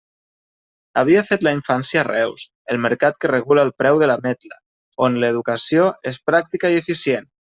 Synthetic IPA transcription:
aβ̞iafet̪laiɱfansjarɛws | əlˠməɾkat̪kəreɣulaːlˠpɾɛwðəlamɛt̪lə | onləðukasioespɾak̚t̪ikaiefisjen

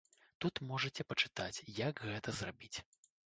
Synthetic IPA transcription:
t̪ut̪mɔʐɐt͡sʲɛpɐt͡ʂɨ̥t̪at͡sʲjaɡɣɛt̪ɐzrabʲit͡sʲ

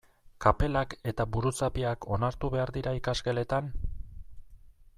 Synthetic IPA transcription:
kape̞lake̞t̪aβuɾut͡sapiakʰo̞naɾt̪uβe̞aɾðiɾaikaske̞le̞t̪an

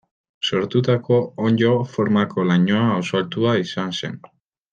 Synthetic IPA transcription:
so̞ɾt̪ut̪ako̞oɲd͡ʒo̞foɾmako̞laɲoaːwsoalt̪uaisanse̞̰n

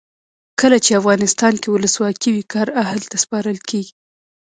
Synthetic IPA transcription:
kəlat͡ʃeafɣɑnɪst̪ɑnkewʊləswɑkiwikɑɾahlt̪aspɑɾəlkeɡi̥

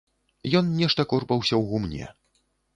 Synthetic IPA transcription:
jɔnnʲɛʂt̪ɐkɔrpɐwsʲɐwɣumnʲɛ̰

